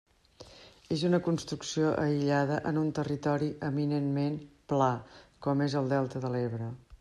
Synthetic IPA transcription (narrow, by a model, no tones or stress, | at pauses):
ezunəkunst̪ɾuksioʔəiʎað̞əʔənunt̪ərit̪ɔɾiəminenmenplakɔmezəlˠd̪ɛlˠt̪əðəleβɾə